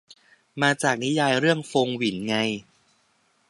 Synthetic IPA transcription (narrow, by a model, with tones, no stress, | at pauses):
maː˧t͡ɕaː˨˩k̚ni˦˥jaː˧jɾɯ˥˩əŋfoː˧ŋwi˩˦nŋa˧j